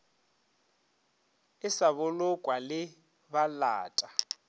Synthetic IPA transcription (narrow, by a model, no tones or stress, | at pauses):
ɪsaβʊlʊkʼwalɪ | bala̰ːtʼa